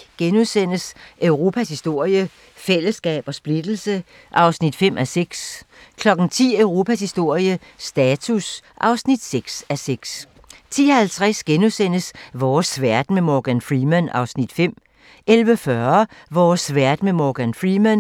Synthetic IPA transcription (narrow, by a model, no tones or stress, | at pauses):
ɡ̥enuðˠsen̰əsʔœʊʁo̝ːpʰæshisd̥o̝ɐ̰jə | fel̰əsɡ̥ɛ̰ːb̥ɒ̽sb̥lid̥l̩sə | ʔɑ̈ʊsnid̥fem̰ʔæseɡ̥skʰlɒ̽ɡ̥n̩t͡sʰḭːœʊʁo̝ːpʰæshisd̥o̝ɐ̰jə | sd̥ɛːt͡sʰusʔɑ̈ʊsnid̥seɡ̥sæseɡ̥s | t͡sʰḭːɒhælt͡sʰʁasɡ̥enuðˠsen̰əsʋɒːsʋæɐ̰d̥memɒɡ̥ænfʁimænɑ̈ʊsnid̥fem̰ | elʋəfɶɐʋɒːsʋæɐ̰d̥memɒɡ̥ænfʁimæn